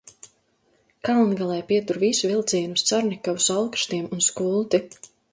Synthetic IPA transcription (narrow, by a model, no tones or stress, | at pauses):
kalˠnɡalˠɛjpiɛt̪uɾvisuvilˠt̪siɛnust̪saɾnʲikavusalˠkʃt̪iɛmunskulˠt̪i